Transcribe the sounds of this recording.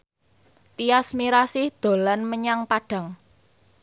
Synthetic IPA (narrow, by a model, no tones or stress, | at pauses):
t̪iasmiɾasɪhd̪̥o̤lanməɲaŋpaɖ̥ä̤ŋ